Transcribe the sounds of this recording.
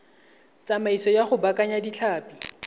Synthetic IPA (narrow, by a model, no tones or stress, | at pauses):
t͡samaisɔjaχʊbakʼaɲadiɬʰaːpʼi